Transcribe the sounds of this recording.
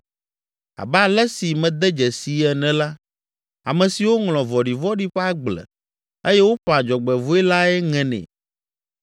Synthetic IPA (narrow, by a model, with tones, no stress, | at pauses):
a̰˨ba˦˨lɛ˦si˨mɛ̃˨d̪ɛ˦d͡ʒɛ˨si˨ɛ˨nɛ̃˨˦la˦ | a̰˨mɛ̃˨si˨wo˦ŋlɔ̃˨vɔ˨ɖi˨vɔ˦ɖi˦ɸɛ˦a˦ɡ͡blɛ̰˨ | e˦jɛ˦wo˦ɸa˨d͡ʒɔ˨ɡ͡bɛ˨vo˦ɛ˦la˦ɛ˦ŋɛ̃˨nɛ̰̃˨